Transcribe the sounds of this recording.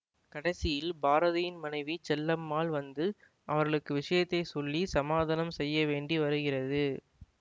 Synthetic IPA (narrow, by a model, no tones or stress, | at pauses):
kɐɽɐsɪjɪlbaːɾɐðɐjɪnmɐnɐɪʋit͡ʃɛlːɐmːaːlʋɐnd̪ɯ | ɐʋɐɾɣɐɭɯkːɯʋɪʂɐjɐt̪ːɐɪsɔlːisɐmaːðaːnɐmsɛjːɐʋeːɳɖiʋɐɾɯɣɪrɐðɯ